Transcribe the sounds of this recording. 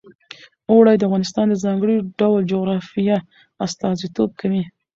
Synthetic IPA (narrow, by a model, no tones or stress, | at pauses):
oɽajd̪əafɣɑnɪst̪ɑnd̪əzɑŋɡɽiɖawld͡ʒoɣɾɑfija | ast̪ɑzit̪ob̚kʰawi